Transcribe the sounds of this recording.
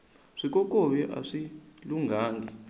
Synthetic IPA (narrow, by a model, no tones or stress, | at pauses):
ʂik̬ʼɔk̬ʼɔɓɛʔa̰ʂiluŋɡʱaːŋɡʱi